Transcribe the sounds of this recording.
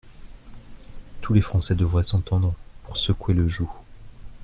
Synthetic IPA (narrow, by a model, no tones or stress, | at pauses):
t̪ʰulefχɑ̃sɛd̪əvʁɛsɑ̃t̪ɑ̃d̪ʁpuʁsəkueləʒu